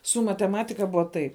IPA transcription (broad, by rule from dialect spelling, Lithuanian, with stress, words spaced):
sʊ mɐtʲɛˈmɑːtʲɪkɐ ˈbʊɐ tɐɪ